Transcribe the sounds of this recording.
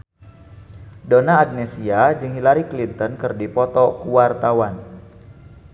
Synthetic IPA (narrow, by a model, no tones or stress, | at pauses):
donaːɡ̚nesiad͡ʒɨŋɦilaɾiklint̪ənkɨrdipɔt̪ɔkuwart̪awan